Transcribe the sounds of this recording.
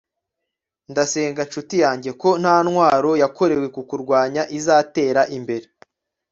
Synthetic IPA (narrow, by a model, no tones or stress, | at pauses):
ndase̞ːŋɡanʃutijaːɲɟe̞ko̞n̥haːnŋwaːɾo̞jako̞ɾe̞we̞kukuɾɡwaːɲaʔizaːte̞ːɾaʔimbe̞ɾe